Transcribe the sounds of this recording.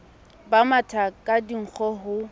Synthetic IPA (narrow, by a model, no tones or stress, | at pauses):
bamatʰakʼadiŋ̩k͡xʰɔɦʊ